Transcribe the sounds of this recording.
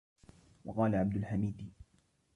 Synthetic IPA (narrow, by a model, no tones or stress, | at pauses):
wɑqɑːlaʕab̚d̪ʊlħamiːd̪